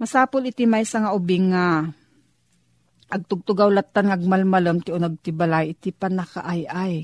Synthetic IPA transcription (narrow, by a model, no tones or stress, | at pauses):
mɐsaːpʊlɪt̪ɪmajsaŋaʊbɪŋːa | ʔɐɡ̚t̪ʊɡ̚t̪ʊɡawlat̪ːanŋaʔɐɡ̚malmaləmt̪ɪonɐɡ̚t̪ɪbalajɪt̪ɪpanaka̰ʔajʔaj